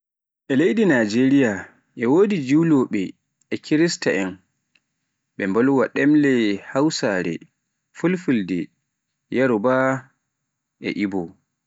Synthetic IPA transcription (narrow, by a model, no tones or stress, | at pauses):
ʔɛlejdinad͡ʒeɾija | ʔɛwodid͡ʒiwlɔɓɛː | kʰiɾistaʔɛn | ɓɛmbɔlwaɗɛmlɛhawsaɾɛ̰ | fulfuldɛ | jaɾɔba | ʔɛ̰ʔibɔ